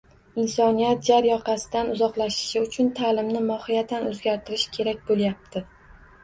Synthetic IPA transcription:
ɪnsɒnijat̪̚d͡ʒaɾjɒqʰɑsɪd̪anʊzɒqlˠaʃɪ̥ʃɪʊt͡ʃʰʊnt̪ʰaːlɪmnɪmɒhɪjat̪anɵzɡʲaɾt̪ʰɪɾɪʃkʲʰe̞ɾak̚ʲbolˠjap̚t̪ʰɪ

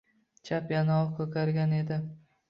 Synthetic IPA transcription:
t͡ʃʰapjanaɒkʰɵt̪ʰaɾɡʲane̞d̪ɪ

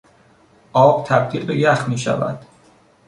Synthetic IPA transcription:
ʔɒːb̥̚t̪ʰæb̚t̪ʰiːlbejæxmiːʃæ̰væ̰d̪̥

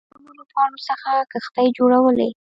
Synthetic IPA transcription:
onolapɑɽosəxakəxt̪ajd͡ʒoɽawəlḛ

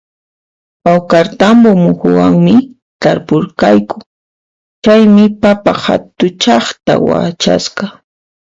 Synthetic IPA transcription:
wawkaɾt̪ambomʊhʊwaŋmɪ | t̪aɾpʊɾkajkʊ̥ | t͡ʃajmɪpapaha̰t̪ʊt͡ʃɑχt̪a̰wa̰t͡ʃa̰sqɑ

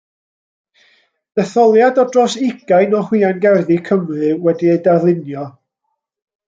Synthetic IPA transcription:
d̥ɛθɔlˠjadɔdrɔsɪɡ̥ajnɔhwiːanɡɛrðikʰəmrɨwɛdiejdarðlˠɪnjɔ

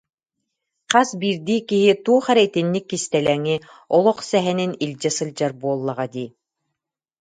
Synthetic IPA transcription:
qasbiːɾd̪iːkiɦit̪uːɔχɛɾɛjt̪inːikːist̪ɛlɛŋi | ɔlˠɔχsɛɦɛninilʲd͡ʑɛsɯlʲd͡ʑaɾbuɔlˠːaʁad̪iː

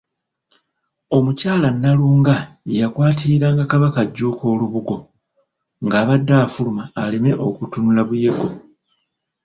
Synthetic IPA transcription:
o̞mucaːlanːaluːŋɡa | jakwaːtʰiɾaːŋɡakaβakaɟːuːko̞ːluβuɡo̞ | ŋɡaːβadːaːfulumaːle̞me̞ʔo̞kutunulaβuje̞ɡo̞

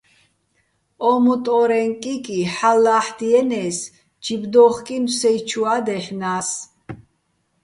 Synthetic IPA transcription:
ɔmut̪ʼɔɾɛŋkʼikʼiħalːaħd̪iɛnɛs | d͡ʒʰibd̪ɔχkʼinsɛjt͡ʃʰuad̪ɛħnas

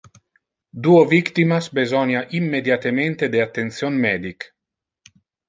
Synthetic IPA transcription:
d̪uovikt̪imasbezɔnjaʔimːed̪jat̪ement̪ed̪eat̪ːent̪sjonmɛːd̪ik

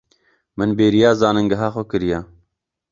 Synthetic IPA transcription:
mɨnbeːɾijɑːzɑːnɨŋɡɐɦɑːxokɨɾija

